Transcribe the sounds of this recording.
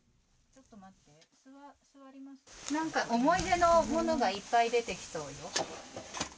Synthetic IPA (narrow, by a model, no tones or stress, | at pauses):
t͡ɕo̞t̪ːo̞mat̪ːe̞ | sɨasɨβaɾʲimaɕnãŋkaʔo̞mo̞id̪e̞no̞mo̞no̞ɡaipːaid̪e̞t̪e̞kʲi̥so̞ːjo̞